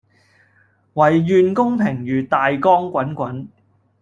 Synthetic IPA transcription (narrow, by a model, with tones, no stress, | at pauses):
wɐ˨˩jːyː˨nkʊ˥ŋpʰɪ˨˩ŋjyː˨˩t̪aː˨jkɔː˥ŋkʷɐ˨˥nkʷɐ˨˥n